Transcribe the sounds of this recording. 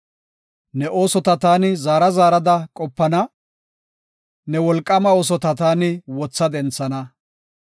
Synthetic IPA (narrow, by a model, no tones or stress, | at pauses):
nɛʔo̞ːsɔt̪ɐt̪aːnɪzaːɾɐzaːɾɐd̪ɐkʼɔpːɐnɐ | nɛwɔlkʼːɐmɐoːs̬ɔt̪ɐt̪aːnɪwɔt͡sːɐd̪ɛnt͡sːɐnɐ